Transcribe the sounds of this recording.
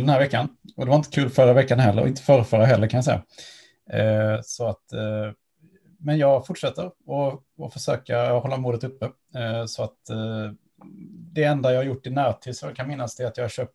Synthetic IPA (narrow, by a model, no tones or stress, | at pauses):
d̪ɛnhæːɾvɛkːanɔd̪ɛvaɾɪnt̪ə̥kʰʉːlfœɾːavɛkːanɦɛlːəɾɔ̰ɪnt̪ə̥fœːɾəfœːɾaɦɛlːəɾkʰanjasɛ̰jːa̰ | sɔat̪ | mɛnjɑːɡfʊʈʂɛt̪ːəɾɔ | ɔfœʂøːkahɔlːamuːd̪ət̪ɵpːə | sɔat̪ | d̪ɛɛnd̪ajɑhaɾjʊʈːɪnæːɾt̪ʰiːd̪sɔkʰanmɪnːasd̪ɛat̪jɑːɾɕøːp̚t̪